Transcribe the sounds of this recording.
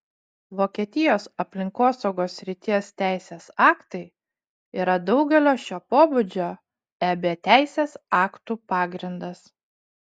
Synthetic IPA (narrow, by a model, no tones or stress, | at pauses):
ʋoːkʲiɛt̪ʲɪjoːsɐpʲlʲɪŋkoːsɒʊɡoːsʲɾʲɪt̪ʲiɛst̪ʲæˑɪsʲeːsɑːkt̪ɐɪ | iːɾɐd̪ɒʊɡʲɛlʲoːʃʲoːpoːbʊd͡ʒʲoː | æːbʲeːt̪ʲæˑɪsʲeːsɑːkt̪uːpɑːɡɾʲɪnd̪ɐs